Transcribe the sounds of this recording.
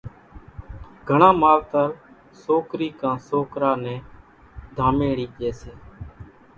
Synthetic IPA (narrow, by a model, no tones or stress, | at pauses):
ɡʱəɳãːmaːlt̪əɾ | soːkɾiːkãːsoːkɾaːnɛ̃ː | d̪ʱaːmẽːɽiːʄeːseː